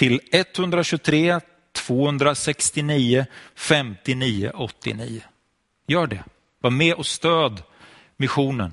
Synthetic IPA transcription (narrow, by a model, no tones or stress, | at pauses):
t̪ʰɪlɛt̪hɵnd̪ɾaɕɵt̪ʰɾeː | t̪ʰv̥oːhɵnd̪ɾasɛkst̪ɪniːʊfɛmt̪ɪniːʊ̰ʔɔt̪ːɪ̰niːʊ | jœːɖɛ̰ | vamɛːʔɔst̪øːd̪ | mɪɧuːnə̰n